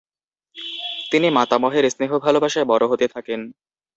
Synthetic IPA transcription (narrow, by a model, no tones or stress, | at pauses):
t̪inimat̪amɔɦeɾsneɦobʱalobaʃaebɔɾoɦot̪et̪ʰaken